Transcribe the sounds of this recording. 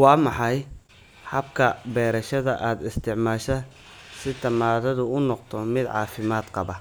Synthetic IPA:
wɑːmɑħɑj | ħɐbkʰɐbɛːɾɐʃɐðɐʔaːd̪ɪst̪ʰɪʕmaːʃɐ | sɪt̪ʰɐmaːðɐðʊʊnɔqt̪ʰɔmɪd̪ʕɑ̰ːfɪmaːd̪qɑβɐ

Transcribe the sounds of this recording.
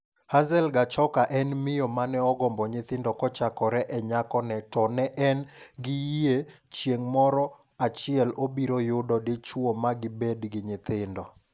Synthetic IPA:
hazɛlɡat͡ʃɔkaʔɛnmɪjɔmanɛɔɡɔmbɔɲɪt̪ɪndɔkɔt͡ʃakɔɾɛʔɛɲakɔnɛtɔnɛʔɛnɡɪjie | t͡ʃjeŋmɔɾɔ | at͡ʃɪɛlobiɾojʊdɔdet͡ʃwomaɡɪbedɡɪɲɪt̪ɪndɔ

